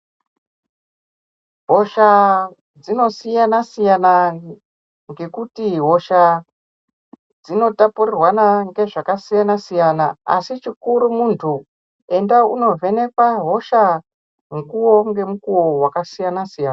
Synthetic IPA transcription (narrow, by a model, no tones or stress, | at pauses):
ɦoʃa | d͡zino̞sijanasijana | ŋɡe̞kutiɦo̞ʃa | d͡zino̞tapurirwanaŋɡe̞ʐakasijanasijanaa̰sit͡ʃikuɾumuntʰu | e̞ndaṵno̞ve̞ne̞kwaɦo̞ʃa | ŋkuwo̞ŋɡe̞mukuwo̞wakasijanasijana